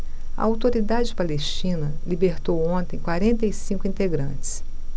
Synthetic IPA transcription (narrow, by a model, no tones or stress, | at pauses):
ɐ̰awt̪oɾid̪ad͡ʒɪpalest͡ʃĩnɐlibeɾt̪owõnt̪ẽj̃kwaɾẽnt̪ɐisĩkʊĩnt̪eɡɾɐ̰̃t͡ʃɪ̥s